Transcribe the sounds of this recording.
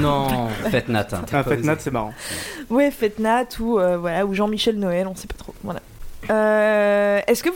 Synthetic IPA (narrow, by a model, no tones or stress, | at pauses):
nɔ̃fɛt̪nat̪ɛ̃fɛnat̪sɛmaʁɑ̰̃wɛfɛt̪nat̪ʰuøvwalauʒɑ̃miʃɛlnɔɛlɔ̃sɛpḁt̪χovwala̰ | ø | ɛskə